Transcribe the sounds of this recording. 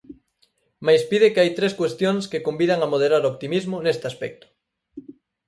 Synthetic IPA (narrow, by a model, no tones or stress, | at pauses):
majspiðɪkɪajt̪ɾeskwest̪joŋskekombiðaŋamoð̞eɾaɾoopt̪imizmʊnest̪ɪaspɛk̚t̪ʊ̥